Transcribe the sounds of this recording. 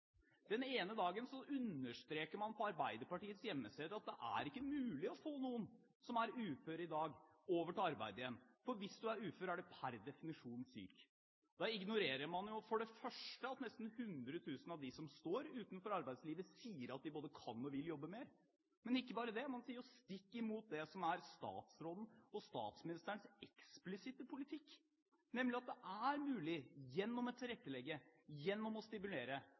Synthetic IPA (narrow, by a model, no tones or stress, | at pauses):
d̪̥ɛneːnəd̪ɑːɡənsɔʔʉnːəʂt̪ɾeːkəɾmɑnpʰɔɑɾbæɪd̪əɾpɑʈiːət̪sjɛmːəseːd̪əɾɑt̪̚d̪ɛʔæ̰ɾɪkːəmʉːlɪɔfoːnuːən | sɔmæɾʉːføːɾɪd̪ɑːɡ | oːʋəʈɪlɑɾbæ̰ɪd̪əjɛnːfɔɾʋɪsd̪ʉæɾʉːføːɾæɖɛpʰæɾd̪ɛfɪnɪʂuːnsy̰ːk | d̪̥ɑɪɡnʊɾeːɾəɾmɑnjʊfɔɖɛfœʂʈəɑt̪nɛst̪n̩hʉnd̪ɾət̪ʰʉːsənɑʋd̪ɪsɔmst̪oːɾʉːt̪nfɔɾɑɾbæɪd̪sliːʋəsiːəɾɑt̪̚d̪ɪboːd̪əkʰɑ̰nːɔʋɪljɔbːəmeːɾ | mɛnɪkːəbɑːɾəd̪ɛmɑnsiːəɾɔst̪ɪkːɪmuːt̪̚d̪ɛsɔmæɾst̪ɑ̰ːt̪sɾɔln̩ɔst̪ɑ̰ːt̪smɪnɪst̪əɳsɛksplɪsɪt̪əpʰʊlɪt̪ʰɪkː | nɛmlɪɑt̪̚d̪ɛʔæɾmʉːlɪjɛnːɔmɔt̪ʰːɪlɾɛt̪ːəlɛɡːəjɛnːɔmɔst̪ɪmʉleːɾə